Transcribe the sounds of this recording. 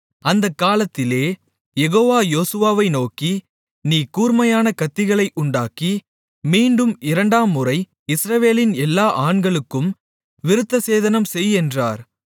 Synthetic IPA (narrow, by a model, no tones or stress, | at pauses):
ɐnd̪ɐkːaːlɐt̪ːɪleː | jɛɣoːʋaːjoːsɯʋaːʋɐɪnoːki | niːkuːɾmɐjaːnɐkɐt̪ːɪɣɐɭɐɪʔʊɳɖaːki | miːɳɖɯmɪɾɐɳɖaːmːʊrɐɪ | ɪsɾɐʋeːlɪnɛlːaːʔaːɳɡɐɭɯkːɯm | ʋɪɾɯt̪ːɐseːðɐnɐmsɛjɛndraːɾ